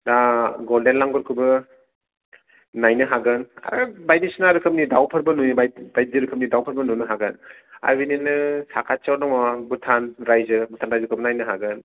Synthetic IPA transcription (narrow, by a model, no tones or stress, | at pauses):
daɡɔldenlaŋɡɔɾkʰubɯ | najnɯɦaɡɯna̰ɾɯbajdisnaɾɯkʰɯm̚nidawpʰɐɾbɐnunbajbaj̚ziɾɯkʰɯp̚nidawpʰɐɾbɐnunɯɦaɡɯna̰ɾbininɯsakʰat͡ʃawnambutʰanɾajzɯbutʰanɾajzɯkʰɯbnajnɯɦaɡɯn